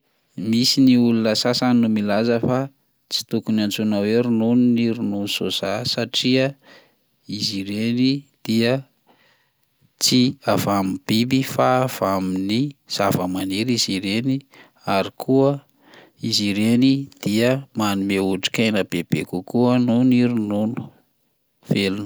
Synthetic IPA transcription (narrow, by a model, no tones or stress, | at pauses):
misiniulunəsasannumilazəfa | t͡si̥t̪ukunant͡sunaweɾununniɾununsozasaʈ͡ʂiə | iziɾenid̪̥iə | t͡siavamib̥ibifaːv̥aminiz̥avəmaneɾiziɾeni | aɾikʰuə | iziɾenid̪̥iəmanimeuʈ͡ʂi̥kajnəbeb̥ekukuənuniɾununu̥ | felunu̥